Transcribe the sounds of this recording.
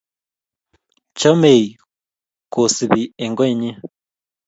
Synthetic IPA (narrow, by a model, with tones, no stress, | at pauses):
t͡ʃo˦me˨i˨ | ko˨si˨βi˨e˨ŋɡɔ˦˨ɲi˦